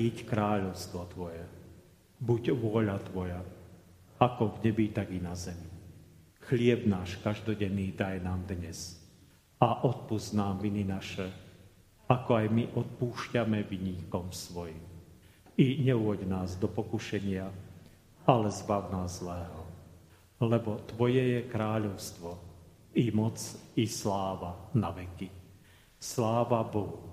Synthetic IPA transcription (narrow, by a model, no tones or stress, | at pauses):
iːckɾaːʎɔʊst̪ʋɔt̪ʋɔjɛ | buɟʋʊɔʎat̪ʋɔja | akɔvɲɛbit̪aɡinazɛmi | xlɪɛbnaːʃkaʒd̪ɔɟɛnːiːd̪ajnaːmd̪ɲɛs | aʔɔt̪̚puznaːmʋininaʃɛ | akɔajmiʔɔt̪̚puːʃcamɛʋiɲiːkɔmsʋɔjim | iɲɛuɔɟnaːzd̪ɔpɔkuʃɛɲɪa | alɛzbaʊnaːzlɛːɦɔ | lɛbɔt̪ʋɔjɛjɛkɾaːʎɔʊst̪ʋɔ | imɔt͡sislaːʋanaʋɛki | slaːʋabɔɦu